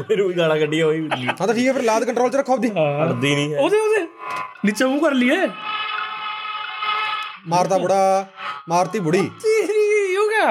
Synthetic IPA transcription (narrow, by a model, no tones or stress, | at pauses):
pʰeɾuːiːɡaːlãːkəɖiːɛɦoːiːãːt̪aːʈʰiːkɛːpʰeɾlaːd̪kəɳʈɾoːlt͡ʃəɾəkʰːaːbd̪ĩːəd̪iːnĩːoːd̪eːoːd̪eːnɪt͡ʃeũːkəɾlieː | maːɾt̪aːbʊɽaːmaːɾt̪iːbʊɽiːd͡ʒiːjõːkɛː